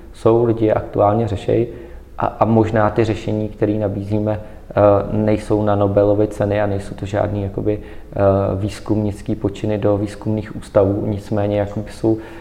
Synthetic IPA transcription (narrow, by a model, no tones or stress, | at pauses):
so̞wlɪɟɪjɛʔa̰kt̪ṵaːlɲɛrɛʃɛ̰jɪ | ʔa̰ʔamo̞ʒnaːt̪ɪrɛʃɛɲiːkt̪ɛɾiːnabiːziːmɛ | nɛjso̞wnano̞bɛlo̞vɪt͡sɛnɪanɛjsowt̪oʒa̰ːdniːjako̞bɪ | viːskumɲɪt͡skiːpo̞t͡ʃɪnɪdo̞viːskumniːxʔuːst̪avuːɲɪt͡smɛːɲɛjakobɪso̞w